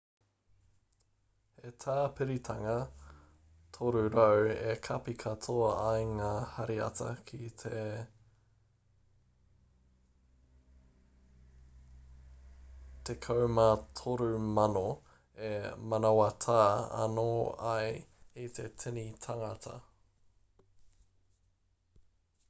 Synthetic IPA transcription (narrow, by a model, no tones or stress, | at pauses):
het̪ʰaːpʰɪɾit̪ʰɐŋɐ | t̪ʰoɾʉɾɐwekʰɐpikʰɐt̪ʰoɐɐjŋaːhɐɾiɐ̰tʰɐ̰kʰitʰe | t̪ekʰɐwmat̪ʰoɾʉmɐno | emɐnawɐt̪ʰaːɐ̰noːɐjit̪ʰetʰɪnit̪ʰɐŋɐt̪ʰɐ̰